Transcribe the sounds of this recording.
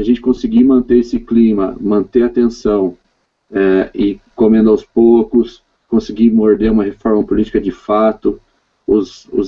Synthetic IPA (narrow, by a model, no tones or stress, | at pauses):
aʒẽnt͡ʃɪ̥kõsɪɡimɐ̃nt̪eɾesɪklĩmɐmɐ̃nt̪eat̪ẽsɐ̃w̃ | ɛɪkomẽnd̪ʊawspokʊs | kõsɪɡimoɾd̪eɾũmɐɦefɔɾmɐpolit͡ʃi̥kɐd͡ʒɪfat̪ʊ | ʊsʊ̰